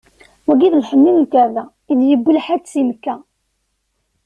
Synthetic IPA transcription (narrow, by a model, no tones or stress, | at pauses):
wæɡiðlħənːinlkæðæ | iðjəbːəlħæd̪simkːæ